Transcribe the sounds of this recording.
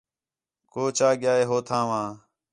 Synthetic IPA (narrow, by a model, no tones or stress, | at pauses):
koːt͡ʃaːɠɪjaːɦeːɦoːt̪ʰãːʋãː